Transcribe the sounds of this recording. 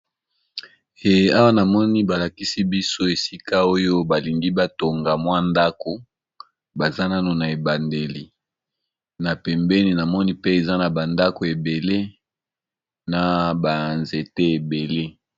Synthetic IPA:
e˨a˦wa˦na˨mɔ˦ni˦ba˨la˨ki˦si˦bi˦so˦e˨si˦ka˦o˦jo˦ba˨li˨ŋɡi˦ba˦to˨ŋɡa˨mwa˦nda˦ko˨ | ba˨za˦na˦no˨na˨e˨ba˨nde˨li˨ | na˨pɛ˨mbɛ˦ni˨na˨mɔ˦ni˦pe˦e˨za˦na˨ba˨nda˦ko˨e˨be˨le˦ | na˨ba˨nze˨te˦e˨be˨le˦

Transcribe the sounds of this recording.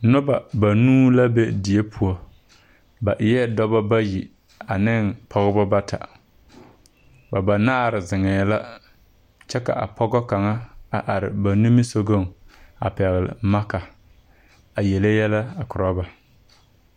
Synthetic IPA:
nʊ˦ba˨ba˨nuː˦la˦be˦dɪ˨e˦pʰu˨o˨ | ba˨ʔɪ˨jɛ˦dɔ˦ba˦ba˦ji˨ | a˨nɪ˦npʰɔ˦ɣɪ˦bɔ˦ba˦tʰa̰˨ | ba˨ba˨naː˦˨ɾɪ˨zɪ˨ŋɛ˨la˦ | t͡ʃɛ˦ka̰˨ʔa˨pɔ˦ɡɔ˦ka˨ŋa˦a˨ʔa˨ɾɪ̰˨ba˨nu˦mi˦so˦ɡo˦˨ŋa̰˨pɛ˨ɣɪ˨lɪ̰˨ma˦ka˨ | a˨jɛ˨le˦jɛ˦la˦a˨kʊ˨ɾɔ˦ba˨

